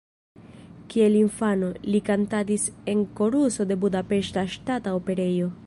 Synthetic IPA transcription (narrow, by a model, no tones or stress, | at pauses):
kie̞liɱfano̞likantadise̞ŋko̞ɾuso̞de̞budape̞ʃtaʃtataope̞ɾe̞jo̞